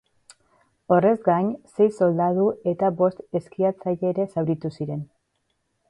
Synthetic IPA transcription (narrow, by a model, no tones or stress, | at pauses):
o̞re̞zɡaɲse̞jso̞ld̪að̞ue̞t̪aβo̞st̪e̞skiat͡saʎeːɾe̞sawɾit̪usiɾe̞n